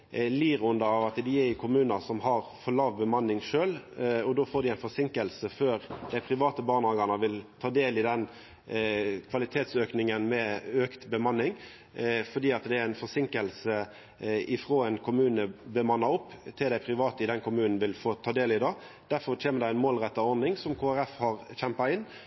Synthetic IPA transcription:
liːɾʊnd̪əɑʋɑt̪d̪ɪæɾɪkʰʊmʉːnəsɔmɦɑʁfɔlɑːʋbəmɑnːɪŋʂøːlɔd̪oːfoːd̪ɪæɪnfɔʁsɪŋkəlsəføːɾd̪̥æɪpʰʁɪʋɑːt̪əbɑːʁnɑɡɑnəʋɪlt̪ʰɑːd̪eːlɪd̪ɛn | kʰʋɑlɪt̪ʰeːt̪søːknɪŋənmɛøkt̪bəmɑnːɪŋ | fɔd̪iːɑt̪d̪ɛæɾæɪnfɔsɪŋkəlsə | ɪfʁoːɛnkʰʊmʉːnəbəmɑnːɑʊpːt̪ʰɪld̪æɪpʰɾɪʋɑːt̪əɪd̪ɛnkʰʊmʉːnn̩ʋɪlfoːt̪ʰɑːd̪eːlɪd̪ɑː | d̪̥æɾfɔʁtʰeːnəd̪ɛæɪnmoːlʁɛt̪ːɑɔɾd̪ɪŋsɔmkʰoːæʁɛfhɑʁɕɛmpɑɪnː

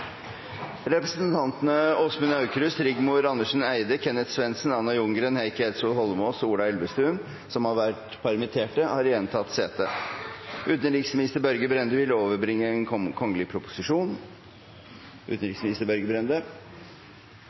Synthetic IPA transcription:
ɾɛpɾəsənt̪ʰɑnt̪ənəɔsmənɑʉkɾʉsɾɪɡmuːɾɑnd̪əʂn̩æɪd̪əkʰɛnːət̪sʋɛnsənɑnːɑjʊŋɡɾənhæɪkɛt̪suːlhɔlmɔːsuːɖɑɛlbəst̪ʉːn | sɔmhɑɾʋæʈ | pʰɑɾmət̪ʰeːʈəhɑɾjɛnt̪ʰɑt̪ːseːt̪ə | ʉːt̪ənɾiːksmɪnɪst̪əɾbœɾɡəbɾɛnd̪əʋɪlːəoːʋəɾbɾɪŋːəɛnkʰɔŋːəlɪpʰɾʊpʊsɪʂuːn | ʉ̰t̪n̩ɾɪksmɪnɪst̪əɾbœɾɡəbɾɛnd̪ə

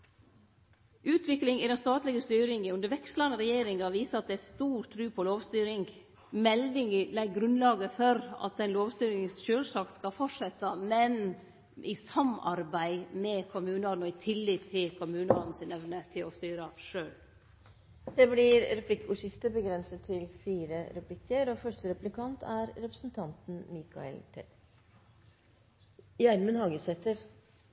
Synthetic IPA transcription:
ʉːt̪ʰʋɪklɪŋɪd̪ɛnst̪ɑːt̪lɪɡəst̪yːɾɪŋəʉnd̪əɾʋɛkslɑnəɾɛjeːɾɪŋɑʋiːsəɾɑt̪̚d̪ɛæst̪uːɾt̪ʰɾʉːpʰɔloːʋst̪yːɾɪŋ | mɛld̪ɪŋlɛɡɡɾʉnlɑːɡəfɔɾɑ̰t̪̚d̪ɛnloːʋst̪yːɾɪŋsʃøːlsɑːkskɑlfɔʈʂɛt̪ːəmɛn | ʔɪ̰sɑmɑ̰ɾbæɪmɛkʰʊmʉːnɑɾnɔɪt̪ʰɪlːɪtt̪ʰːɪlkʰʊmʉːnəɑn̩sɪnɛʋnət̪ʰɪlɔst̪yːɾəʂøːl | d̪̥ɛblɪɾɾɛpʰlɪkːʉʂɪft̪əɾbəɡɾɛnsət̪ʰːɪlfiːɾəɾɛplɪkːəɾɔfœʂʈəɾɛplɪkʰɑnt̪ʰæɾɾɛpɾəsn̩t̪ʰɑnt̪n̩miːkʰɑ̰ɛ̰lt̪ʰɛ̰ | jæɾmənhɑːɡəsɛt̪ːəɾ

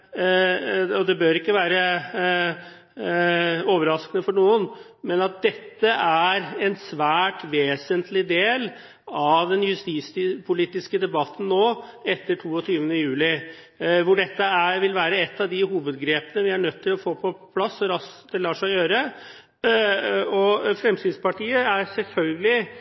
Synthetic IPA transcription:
ɔd̪ɛbøːɾɪkːəʋæːɾə | oːʋəɾɑskənəfɔɳuːən | mɛnɑt̪̚d̪ɛt̪ːəʔæɾɛnsʋæːʈʋeːsənt̪ʰlɪd̪eːl | ɑʋd̪ɛnjʉst̪iːspʰʊliːt̪ɪskəd̪ɛbɑt̪ːn̩noːɛt̪ːəʈʰuːɔt̪ʰyːʋənəjʉːlɪ | ʋʊɖɛt̪ːəæɾʋɪlʋæːɾəɛt̪ːɑʋd̪ɪɦuːʋəd̪ɡɾeːpənəʋɪæɳœt̪ʰːɪlɔfoːpʰɔpʰlɑsːɔɾɑsd̪̥ɛlɑːʂæɪjøːɾə | ɔfɾɛmsiːd̪spɑʈiːəæɾsɛlfœlɡəlɪ

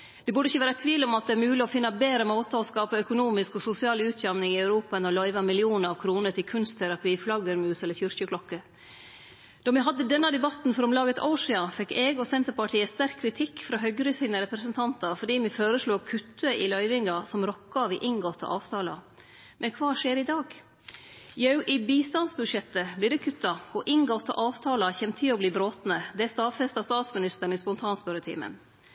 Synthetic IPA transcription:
d̪̥ɛbʉɖəɪçːəʋæːɾət̪ʰʋiːlɔmɑt̪̚d̪ɛæɾmʉːlɪɔfɪnːɑbeːɾəmoːt̪əɔskɑːpəœkʊnuːmɪskɔsʊsɪɑːlʉːt̪ʰjæmnɪŋɪæʉɾuːpɑɛnɔlœʏʋɑmɪlɪuːnəɾɑʋkʰɾuːnəʈɪlkʰʉnst̪ʰæɾɑpiːflɑɡəɾmʉːsɛlːəɾçʏɾçəkʰlɔkːə | d̪̥ɔmɪɦɑd̪ːəd̪ɛnːɑd̪ɛbɑt̪n̩fɔɾɔmlɑːɡət̪a̰ʊʂɪɑfɛkːɛɡɔsɛnt̪əɾpɑʈʰiːəst̪æɾkʰːɾɪt̪ʰɪkːfɾɑːɦœɡɾəsiːnəɾɛpɾəsənt̪ʰɑnt̪ɑɾfɔɖiːmɪføːɾəsluːkʰʉt̪ːəʔɪlœʏʋɪŋɑsɔmɾɔkːɑʋɪʔɪŋɡɔt̪ʰːɑ̰ʔɑ̰ːʋt̪ʰɑːlɑ̰ | mʔɛnkʰʋɑːʂeːɾɪd̪ɑːɡ | jɑʉʔɪbiːst̪ɑnsbʉʂjɛt̪ːəblɪɖɛkʰʉt̪ːɑɔʔɪŋɡɔt̪ʰːɑ̰ʔɑːʋt̪ʰɑːlɑçɛnt̪ʰɪɔbliːbɾoːt̪nəd̪ɛæst̪ɑːfɛst̪ɑst̪ɑːt̪smɪnɪst̪əɳ̩ɪspɔnt̪ʰɑːnspœɾət̪ʰḭːmə̰n

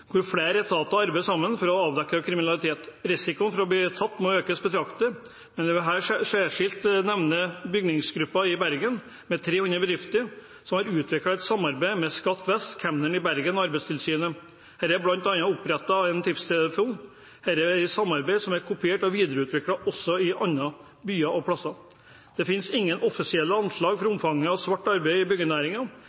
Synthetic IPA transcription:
kʰʊɾfɽeːɾɛt̪ʰɑːt̪ɑɑɾbɛɪsɑmːənfɔɾɔɑːʋd̪ɛkːɾəkʰɾɪmɪnɑlˠɪt̪ʰeːt̪ɾɪsɪkʊnfɔɾɔbliːt̪ʰɑt̪ːmɔøːkəsbət̪ʰɾɑkt̪ə | mɛnɛʋɛɦæːʂæʂɪlt̪nɛʋnəbʏɡnɪŋsɡɾʉpːɑɪbæɾɡən | mɛt̪ʰɾeːhʉnɾəbəd̪ɾɪft̪əɾ | sɔmhɑɾʉːt̪ʰʋɪklɑɛt̪sɑmːɑɾbæɪmɛskɑt̪ːʋɛst̪kʰɛmnəɳɪbæɾɡənɔɑɾbɛɪst̪ʰɪlsyːnə | hæːɾæblɑnt̪ɑnːɑʊpɾɛt̪ːɑɛnt̪ʰɪpst̪ʰɛləfuːn | hæːɾɛɪt̪sɑmːɑɾbæɪsɔmæɾkʰʊpɪeːʈɔʋiːd̪əɾəʉːt̪ʰʋɪkɽɑʔɔsːɔɪʔɑnːɑ | byːɑʔɔpʰɽɑsɑ | d̪̥ɛfɪnsɪŋːənʔɔfɪsɪɛlːəɑnʂɭɑːɡfɔɾʊmfɑŋːəɑsʋɑʈːɑɾbæɪɪbʏɡənæːɾɪŋɑ

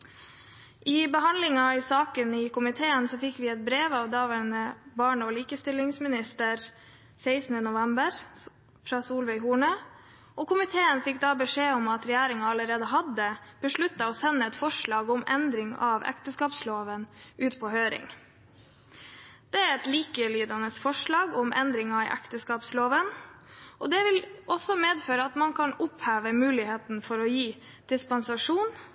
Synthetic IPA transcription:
ʔɪbəɦɑnlɪŋɑɪsɑːkənɪkʊmɪt̪ʰeːənsɔːfɪkːʋɪɛt̪̚bɾeːʋɑːʋd̪ɑːʋænəbɑːɳoːliːkəst̪ɪlɪŋsmɪnɪst̪əɾ | sɛɪsnənʊʋɛmbəɾ | fɾɑːsuːlʋɛɪɦuːɳə | ʔoːkʊmɪt̪ʰeːənfɪkːd̪ɑːbəʂeːɔmɑt̪ɾɛjæːɾɪŋɑɑləɾeːd̪əɦɑd̪əb̥əʂɭʉt̪ːɑoːsɛnːəɛt̪fɔʂɭɑːɡʊmʔɛ̰nd̪ɾɪŋɑ̰ʋɛ̰kt̪əskɑːpsloːʋənʔʉːt̪pʰɔːhøːɾɪ̰ŋ | d̪̥ɛæɾɛt̪liːkəlyːd̪ɑnəsfɔʂɭɑːɡɔmʔɛ̰nd̪ɾɪŋɑʔɛ̰kt̪əskɑːpsloːʋənʔɔd̪ɛʋɪlɔsɔmeːd̪føːɾəɑt̪mɑnkʰɑnʊphæːʋəmʉːlɪheːt̪n̩fɔɾɔjiː | d̪̥ɪspɔnsɑʂuːn

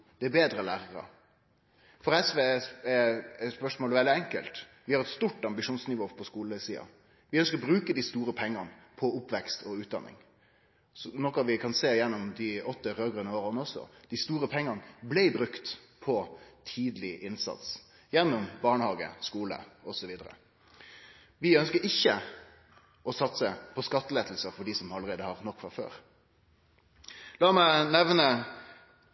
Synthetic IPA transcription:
d̪̥ɛæbeːd̪ɾəlæːʁəɾə̰ | fɔɾɛsʋeːɛspœʂmoːlʋɛld̪ɪɛŋkə̰lt̪ | ʋɪhɑɾɛt̪st̪uʈɑmbɪʂuːnsnɪʋoːpʰɔskuːləsiːɑ̰ | ʋɪœnskəɾɔbɾʉːkəd̪ist̪uːɾəpʰɛŋːɑnpʰɔʊpʋɛkst̪ɔʉːt̪̚d̪ɑ̰nːɪ̰ŋ | sɔnɔkːɑʋɪkʰɑnseːjɛnːʊmd̪ɪɔt̪ːəɾøːɡʁœnəoːʁnəɔsɔ̰d̪̥ɪst̪uːɾəpʰɛŋːɑnblɛɪbɾʉkt̪pʰɔt̪ʰiːd̪əlɪʔɪnsɑ̰t̪s | jɛnːʊmbɑːɳəhɑːɡə̰skuːlə̰ɔsɔʋiːd̪əɾə̰ | ʋɪœnskəɾɪçːə | ʔɔsɑt̪səpʰɔskɑt̪ːəleːd̪l̩səfɔɖiːsɔmɑlːəʁeːd̪əhɑʁnɔkːfɑfø̰ːɾ | lɑːmæɪnɛʋnə

